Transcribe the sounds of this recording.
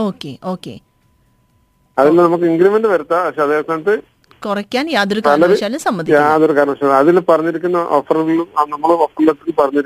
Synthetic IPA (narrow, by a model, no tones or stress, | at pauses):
o̞ːkːḛo̞ːkːḛ | ɐðilnɐmuk̬ːɨiŋɡɾimenɖɨʋɐɾut̪ːaːɐkʂeːɐd̪eːɣɐt̪ːaːɳɐʈːɨ | kurɐkʲːaːnjaːðoɾukaɐːlɐɾʂaːlusɐmbɐd̪ijaːɐðoɾukaːɾɐɳɐɐʂalɐðilpɐrɐɲːiɾikʲːunːɐʔoːfɐrɣɐɭumnɐmːɐɭɨofɐrlɐt̪ːekːɨpɐrɐɲːiɾi